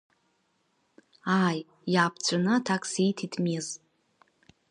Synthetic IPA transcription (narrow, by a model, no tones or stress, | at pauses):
aːj | jaːpʰt͡ɕʷʰanɨtʰakʼsijtʰitʰmiz